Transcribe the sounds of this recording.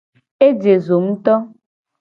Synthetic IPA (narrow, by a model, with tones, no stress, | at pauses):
e˦d͡ʒe˨zo˨m̩˦t̪ɔ˦